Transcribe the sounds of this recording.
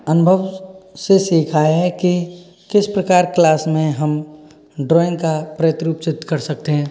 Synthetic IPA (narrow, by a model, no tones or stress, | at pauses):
ənʊbʱəʋsesiːkʰaːeɦɛki | kɪspɾɐkaːɾklaːsmẽɦɐm | ɖɾɔːɪ̃ŋɡkapɾəət̪ɾuːpsɪd̪ʱkɐɾsɐk̚t̪eɦɛ̃ː